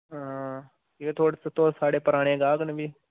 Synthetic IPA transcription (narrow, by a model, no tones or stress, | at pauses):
ɦː | ieːt̪ʰoːɽsət̪oːsaːɽeːpəɾaːɽ̃ẽːɡaːɡnəbiː